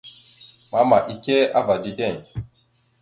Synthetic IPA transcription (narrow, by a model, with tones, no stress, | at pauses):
ma˨˦ma˨ʔi˨kʲe˦ʔa˦va˨di˦dɛ˦˨